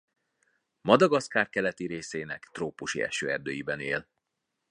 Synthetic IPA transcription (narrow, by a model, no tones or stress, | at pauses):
mɒd̪ɒɡɒskaːr̚kɛlɛt̪iɾeːseːnɛkt̪roːpuʃḭɛ̰ʃø̰ːɛrd̪øːjibɛneːl